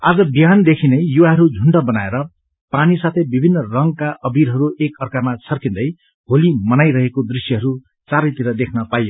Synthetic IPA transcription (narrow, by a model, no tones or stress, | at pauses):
ad͡zʌbjand̪ekʰinʌjjuwaɦʌɾud͡zʱuɳɖʌbʌnaeɾʌ | panisat̪ʰʌjbibʱinːʌrʌŋɡkaʔʌbiɾɦʌɾuʔekʌrkamat͡sʰʌrkind̪ʌj | ɦolimʌnajɾʌɦekod̪risjʌɦʌɾu | t͡saɾʌjt̪iɾʌd̪ekʰnʌpajo